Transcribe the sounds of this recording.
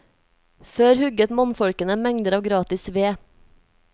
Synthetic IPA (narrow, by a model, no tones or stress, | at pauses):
føːɾhʉɡət̪mɔnfɔɽkənəmɛŋd̪əɾɑːʋɡɾɑːt̪ɪsʋeː